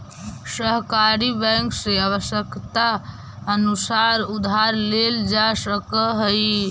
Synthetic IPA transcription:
səɦkaɾibɛ̃ŋkseaβəsjəkt̪a | ənusaɾud̪ʱaɾleld͡ʒasəkəɦəj

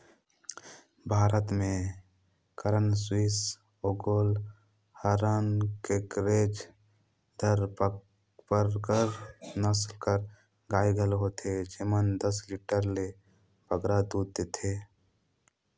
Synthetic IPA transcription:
bʱaːɾət̪mẽ | kəɾənswis | oːɡoːl | həɾənkekɾeːd͡ʒ | d̪ʱəɾp | pəɾkəɾnəslkəɾ | ɡaːiɡʱəlɦoːt̪ʰed͡ʒemənd̪əsliːʈəɾle | bəɡɾad̪uːd̪̚ːeːt̪ʰeː

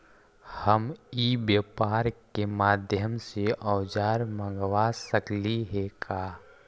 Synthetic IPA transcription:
həmibjəpaːɾkemaːd̪ʱjəmseʔɔʊd͡ʒaːɾmə̃ŋɡʋasəkliɦekʰaː

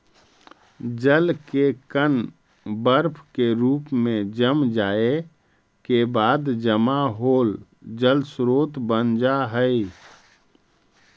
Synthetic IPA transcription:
d͡ʒəlkekən | bəɾpʰkeɾuːpmẽd͡ʒəmd͡ʒaːe | kebaːd̪d͡ʒəmaɦoːl | d͡ʒəlsɾoːt̪bənd͡ʒaɦəi

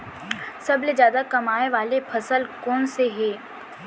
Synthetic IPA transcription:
sɐbled͡ʒjaːd̪akɐmaːeʋaːlepʰɐsəlkɔːnseɦɛː

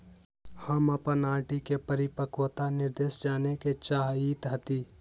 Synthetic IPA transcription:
həməpənãːʈikepəɾɪpəkwət̪anɪɾd̪eːsd͡ʒaːneket͡ʃaːɦiːt̪ɦɐt̪iː

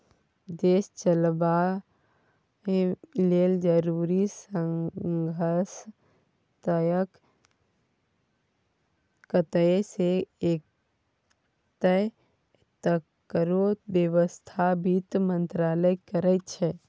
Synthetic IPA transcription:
d̪est͡ʃəlba | leld͡ʒəɾuɾisəŋɡʱəɾs | t̪əjək | kət̪əseek | t̪ə | t̪ə | kəɾobjəʋəst̪ʰabit̪mənt̪ɾaləjkəɾɛt̪t͡ʃʰɛ

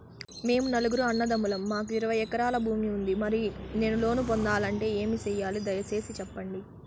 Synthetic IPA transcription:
me̞ːmunɐluɡuɾuɐnːɐd̪ɐmulɐmːaːkuiɾɐʋɐjɛkɐɾaːlɐbʱuːmiund̪imɐɾine̞ːnulo̞ːnupond̪aːlɐɳʈe̞ːe̞ːmit͡ʃɛːjːaːlid̪ɐjɐt͡ʃe̞ːsit͡ʃɛpːɐɳɖi

